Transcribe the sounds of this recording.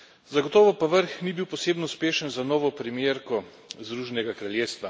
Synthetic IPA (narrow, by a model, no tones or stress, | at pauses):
zaɡɔt̪ɔːʋɔpaʋəɾxnibiwpɔseːbnɔuspeːʃənzanɔːʋɔpɾimjeːɾkɔ | zd̪ɾuːʒɛnɛɡakɾaljeːst̪ʋa